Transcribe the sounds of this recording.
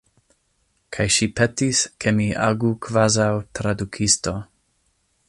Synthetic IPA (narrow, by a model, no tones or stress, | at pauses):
kʰajʃipetiskʰemiʔa̰ɡukvazawtɾadukʰisto